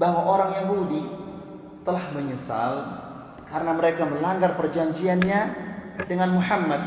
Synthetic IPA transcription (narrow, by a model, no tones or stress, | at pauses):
baɦwaʔoɾaŋjaŋbudi | t̪əlahməɲəsa̰l | kaɾənaməɾekaməlaŋɡarpərd͡ʒaɲd͡ʒianɲadəŋanmuħamːat̪̚